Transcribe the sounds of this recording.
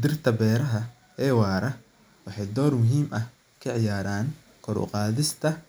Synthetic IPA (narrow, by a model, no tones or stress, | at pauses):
d̪ɪrt̪ʰɐbɛːɾɐɦɐ | ɛːwɑːɾɐ | wɑħɑjd̪ɔːrmʊɦiːmʔɐh | kʰɐʕɪjaːɾaːŋ | kʰɔɾʊ̰qɑːðɪst̪ʰɐ